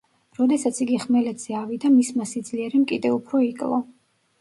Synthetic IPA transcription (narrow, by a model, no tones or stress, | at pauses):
ɾɔd̪ɛsat̪sʰiɡiχmɛlɛt̪ʰz̥ɛavid̪amismasid̪zliɛɾɛmkʼid̪ɛupʰɾɔikʼlˠɔ